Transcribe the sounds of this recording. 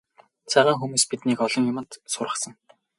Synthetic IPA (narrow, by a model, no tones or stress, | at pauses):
t͡sʰæʁaːŋxumuːspit̪niːkɔɮɞ̆ŋjʊmə̆nt̪sʊrʁə̆χsə̆ŋ